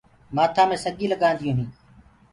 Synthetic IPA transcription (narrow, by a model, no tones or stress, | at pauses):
maːt̪ʰaːmẽːsəɡĩːləɠaːnd̪ɪjũːɦĩː